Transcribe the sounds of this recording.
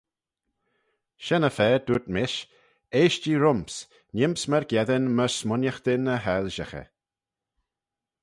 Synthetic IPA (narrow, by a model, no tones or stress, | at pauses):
ʃɛnəfɛːd̪̥uɹt̪mɪʃ | eːʃd͡ʒiːɾʊmps | nʲɪmpsməɹɡjɛðənməɹsmʊnjəxd̪̥ɪnəɦɛlʒəxə̰